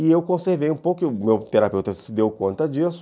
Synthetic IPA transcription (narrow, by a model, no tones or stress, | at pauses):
ɪewkõseɾvejũpowkkɪʊmewt̪eɾapewt̪ɐsɪd̪ewkõnt̪ɐd͡ʒisʊ̥